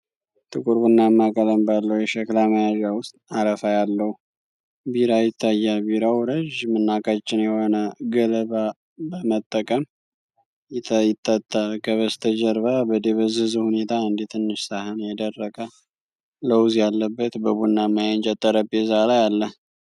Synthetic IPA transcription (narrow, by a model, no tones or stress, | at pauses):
t̪ʰʼɨkʼuɾbunːamːakʼələmbalːəwjɛʃəklaməjaʒawʊst̪ʼaɾəfajalːəhu | biɾajɪt̪ʰːajːalbiɾawɾəʒmɨnːakʼat͡ʃːɪnjɛho̞nəɡələβa | bəmət̪ʼːəkʼəm | jjɪt̪ʼːət̪ʼːakʰəβəst̪ʰəd͡ʒəɾβabəd̪eβəzɨzuhune̞t̪ʰaɨnd̪it̪ʰɨnːɨʃsahɨnjɛd̪ərːəkʼə | ləwzjalːəbːət̪bəβunːamːajant͡ʃʼət̪ʼːəɾəbezalajalːəh